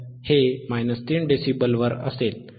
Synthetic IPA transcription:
hemajnəst̪iːɳɖesibəlʋəɾə̰sel

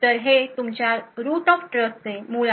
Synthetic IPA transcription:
t̪əɾɦet̪umt͡ɕjaɾut̪ɔfʈɾəst̪emula

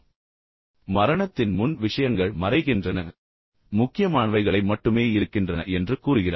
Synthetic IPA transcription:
mɐɾɐɳɐt̪ːɪnmʊnʋɪʂɐjɐŋɡɐɭmɐɾɐɪɣɪndrɐnɐ̰ | mʊkːɪjɐmaːɳʋɐɪɣɐɭɐɪmɐʈːɯmeːɪɾɯkːɪndrɐnɐʔɛndrɯkuːɾɯɣɪraː

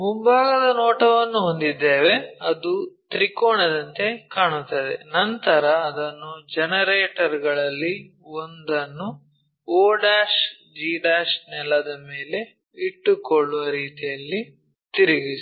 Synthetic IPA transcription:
mumbaːɡɐd̪ɐnɔːʈɐʋɐnːuɦond̪id̪ːeːʋe̞ɐd̪ut̪ɾikoːɳɐd̪ɐnt̪e̞kaːɳut̪ːɐd̪ḛnɐnt̪ɐɾɐːd̪ɐnːud͡ʒɛnɐɾeːʈɐɾɡɐɭɐlːi | ond̪ɐnːu | oːɖaːʂ | d͡ʒiːɖaːʂnɛlːɐd̪ɐmeːle̞ | iʈːukɔɭːuʋɐɾiːt̪ijɐlːi | t̪iɾiɡis

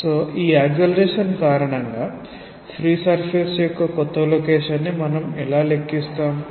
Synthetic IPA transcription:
soːʔiːaːɡjɐlɐɾeːʂɐnkaːɾɐɳɐŋɡaː | pʰɾiːsɐɾpʰeːsjɔkːɐkɔt̪ːɐloːkeːʂɐnːimɐnɐmɛlaːle̞kːist̪aːm

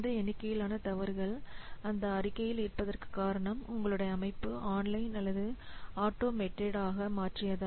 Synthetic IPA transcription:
d̪ɐɛɳɪkːɐjɪlaːnɐt̪ɐʋɐɾɣɐɭɐnd̪ɐːrɪkːɐjɪlɪrpːɐðɐrkɯ̥kːaːɾɐɳɐmʊ̰ŋɡɐɭɯɽɐjɐːmɐɪpːɯaːnlɐɪnɐlːɐðɯaːʈːoːmɛʈːeɽaːɣɐmaːʈrɪjɐða

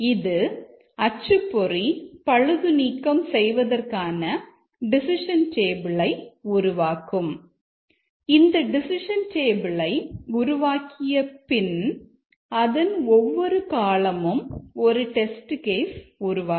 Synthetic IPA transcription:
ɪðɯ | ɐt͡ʃːɯpːɔripɐɻɯðɯniːkːɐmsɛjʋɐðɐrkaːnɐ | ɖɪsɪʂɐnʈeːbɪɭɐɪʊɾʊʋaːkɯm | ɪnd̪ɐɖɪsɪʂɐnʈeːbɪɭɐɪɡʊɾʊʋaːkɪjɐpɪn | ɐðɐnɔʋːɔɾɯkaːlɐmɯmɔɾɯʈɛsʈɯkeːsʊɾʊʋaː

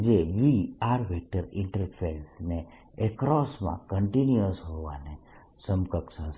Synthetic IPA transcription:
d͡ʒeʋiaɾʋʱek̚ʈəɾɪ̃ɳʈəɾpʰelsne | ekɾɔsmã̰kəɳʈinjəsɦoʋa̰ne | səmkəksə̃s

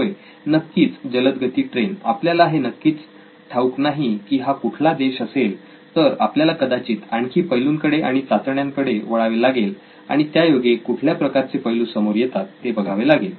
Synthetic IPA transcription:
ɦoj | nəkːiːt͡sd͡ʑələt̪ɡʱət̪iːʈɾenapljalaɦenəkːiːt͡s | ʈʰauknaɦikiːɦakuʈʰlad̪eɕəsel | t̪əɾapljalakəd̪at͡ɕiːt̪aɳkʰiːpəjluːŋkəɽeʔaɽ̃it͡sat͡s̪əɳjaŋkəɽeʋəɭaʋelaɡel | a̰ɽ̃it̪jajoɡekuʈʰljapɾəkaɾt͡sepəjluːsəmoɾjɛt̪at̪ːebəɡʱaʋelaɡel

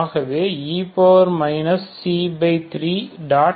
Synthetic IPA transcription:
ɣɐʋeːiːpoːɾmɐɪnɐsːiːbeɪt̪ɾiːɖaː

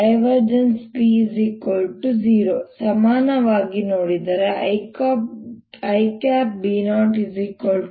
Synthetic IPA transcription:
ɐjʋɐɾd͡ʒenspizikolʈud͡ʒiːɾoːsɐmaːnɐʋaːɡinoːɽid̪ɐɾekːpɐjkaːp̚biːnaːɳʈizikol

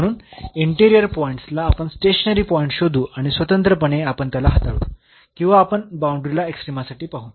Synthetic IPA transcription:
əɽ̃uːniɳʈiɾijəɾpɔiɳʈslaːpəɳsʈeɕənəɾiːpɔĩɳʈɕod̪ʱuːʔaɽ̃isʋət̪ənt̪ɾəpəɳeapəɳt̪jalaɦat̪aɭṵ | kĩw̃ʋaːpəɳbauɳɖɾilaeksʈɾimasaʈiːpaɦuːn

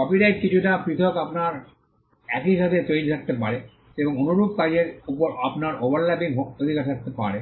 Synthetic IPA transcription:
kɔpiɖajʈ̚kit͡ɕʰuʈapɾit̪ʰɔkapnaɾ | ɛkiʃat̪ʰet̪ojɾit̪ʰak̚t̪epaɾe | eboŋonuɾup̚kad͡ʑeɾupoɾapnaɾobaɾlɛpikɦokod̪ʱikaɾt̪ʰak̚t̪epa̰ɾe

